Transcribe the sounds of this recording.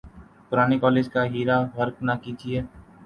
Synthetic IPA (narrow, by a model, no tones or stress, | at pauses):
pʊɾaːnikɔːleːd͡ʒkaɦiːɾaʋɐɾknakiːd͡ʒieː